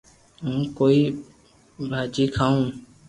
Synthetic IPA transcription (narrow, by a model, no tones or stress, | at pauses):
ɦũːkoːiː | bʱaːt͡ʃiːkʰaːũː